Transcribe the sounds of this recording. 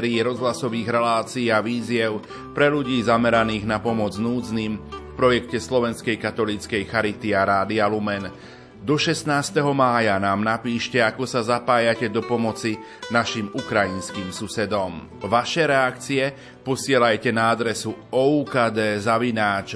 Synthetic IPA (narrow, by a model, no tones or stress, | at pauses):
ɾiːɾɔzɦlasɔʋiːɣɾɛlaːt͡siːaʋiːzɪɛʊ | pɾɛʎuɟiːzamɛɾaniːɣnapɔmɔd͡znuːd͡zniːmfpɾɔjɛkcɛslɔʋɛnskɛjkat̪ɔliːt͡skɛjxaɾit̪iaɾaːd̪ialumɛn | d̪ɔʃɛst̪naːst̪ɛɦɔmaːjanaːmnapiːʃcɛakɔsazapaːjacɛd̪ɔpɔmɔt͡si | naʃimukɾajinskiːmsusɛd̪ɔm | ʋaʃɛɾɛakt͡siɛ | pɔsɪɛlajcɛnaad̪ɾɛsuɔuːkaːd̪ɛːzaʋinaːt͡ʃ